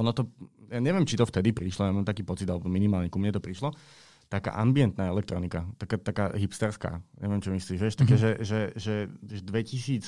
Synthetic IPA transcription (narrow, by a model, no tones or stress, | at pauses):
ɔnɔt̪ɔjaːɲɛʋjɛmt͡ʃit̪ɔft̪ɛd̪ipɾiʃlɔjamaːmt̪akiːpɔt͡sid̪alɛbɔminimaːlɲɛkumɲɛt̪ɔpɾiʃlɔ | t̪aka̰ːʔambiɛnt̪naːɛlɛk̚t̪ɾɔnikat̪akaːt̪akaːɦipst̪ɛɾska̰ːɲɛ̰ʋɛmt͡ʃɔmisliːʒʋjɛʃt̪akɛːʒɛʒɛʒɛʒɛd̪ʋɛcisiːt͡s